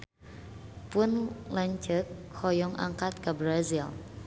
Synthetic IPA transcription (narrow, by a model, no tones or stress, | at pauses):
pʊnlaɲt͡ʃək̚hɔjɔŋʔa̰ŋkat̪̚kabɾazil